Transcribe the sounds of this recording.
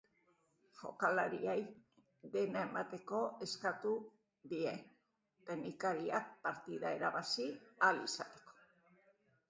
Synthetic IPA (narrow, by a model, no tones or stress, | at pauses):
fo̞̰kalaɾiej | ðe̞nae̞mat̪e̞ko̞e̞skat̪u | ðie̞ | t̪enikaɾiak̚paɾt̪iðae̞ɾaβasialisat̪e̞̥ko̥